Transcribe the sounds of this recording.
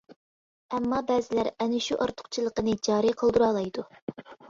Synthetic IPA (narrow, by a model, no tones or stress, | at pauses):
ɛmːɑbɛːzɪlæɾɛnɪʃuʔɑɾt̪ʰʊ̥qt͡ʃʰilˠəqənɨd͡ʒɑːɾiqʰəlˠd̪uɾɑːlˠɑjd̪u